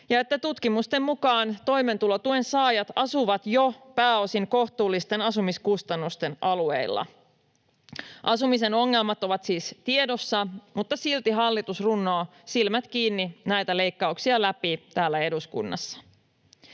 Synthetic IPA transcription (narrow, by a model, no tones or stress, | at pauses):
jɑe̞t̪ːæt̪ut̪kimust̪emːmukɑːnt̪o̞jme̞nt̪ulot̪uensɑːjɑt̪ɑsuʋɑt̪jopæːo̞siŋko̞ht̪uːlːist̪e̞nɑsumiskust̪ɑnːust̪e̞nɑlue̞̰ilːɑ̰ | ʔɑsumise̞no̞ŋːe̞lmɑt̪o̞ʋɑt̪siːst̪ie̞do̞sːɑmut̪ːɑsilt̪iɦɑlːit̪usrunːo̞ː | silmæt̪kiːnːinæjt̪æle̞jkːɑuksiɑlæpit̪æːlːæe̞duskṵnːɑ̰sːɑ̥